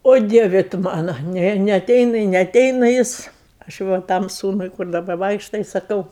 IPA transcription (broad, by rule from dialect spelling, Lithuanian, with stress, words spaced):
oː ˈdʲiɛʋʲɛ tʊ ˈmɑːnoː ˈnʲɛ nʲɛɐˈtʲɛɪnɐ ɪ nʲɛɐˈtʲɛɪnɐ ˈjɪs ɐʃ ˈʋɐ ˈtɐm ˈsuːnʊɪ kʊr dɐˈbɐ ˈʋɐɪkʃtɐ ɪ sɐˈkɐʊ